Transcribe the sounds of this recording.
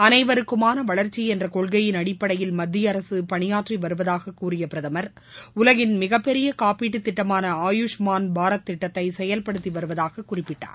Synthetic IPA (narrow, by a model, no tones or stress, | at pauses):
ɐnɐɪʋɐɾɯkːɯmaːnɐʋɐɭɐɾt͡ʃːiɛndrɐkɔɭɣɐjɪnɐɽɪpːɐɽɐjɪlmɐd̪ːɪjɐɾɐsɯpɐɳɪjaːʈriʋɐɾɯʋɐðaːɣɐkːuːrɪjɐpɪɾɐðɐmɐɾ | ʊlɐɣɪnmɪɣɐpːɛɾɪjɐkaːpiːʈ̬ːɯt̪ːɪʈːɐmaːnɐaːjuʂmaːnbʱaːɾɐt̪ːɪʈːɐt̪ːɐɪsɛjɐlpɐɽɯt̪ːiʋɐɾɯʋɐðaːɣɐkːʊrɪpːɪʈːa̰ːɾ